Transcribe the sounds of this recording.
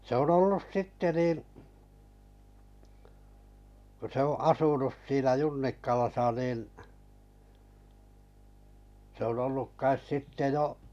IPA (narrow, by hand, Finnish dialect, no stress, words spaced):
se on olːus sitːe niːn̞ kŏ se oʔ ɑsunus siːnæ junːikːɑlɑsɑ niːn se on olːuk kɑis sitːe jo